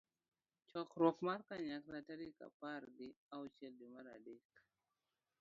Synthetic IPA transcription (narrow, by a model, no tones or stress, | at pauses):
t͡ʃɔkɾɔkmaɾkaɲakɾataɾika̰paɾɡiawt͡ʃeldimaɾa̰dik